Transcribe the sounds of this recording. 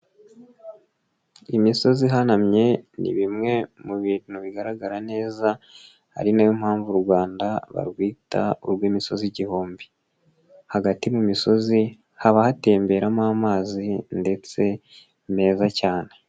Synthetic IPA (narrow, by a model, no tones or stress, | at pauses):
imiso̞ziɦanamɲe̞nḭβimŋe̞muβiːn̥huβiɡaɾaɡaɾane̞ːza | ha̰ɾinajomhaːɱvuɾɡwaːndaβa̰ɾɡwiːta̰uɾɡwiːmiso̞ziɟihoːmbi | haɡatimumiso̞zi | haβahate̞ːmbe̞ɾamaːmaːzinde̞t͡se̞ | me̞ːzacaːne̞